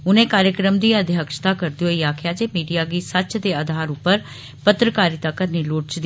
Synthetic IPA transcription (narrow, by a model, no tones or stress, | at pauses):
ʊnẽːkaːɾjəkɾəmd̪iːəd̪ʱjəkʃt̪aːkəɾd̪ioːiːaːkʰjaːd͡ʒeːmiːɖijaːɡiːsət͡ʃd̪eːad̪ʱaːɾʊpːəɾ | pət̪ɾəkaːɾiːt̪aːkəniːloːʈ̚t͡ʃd̪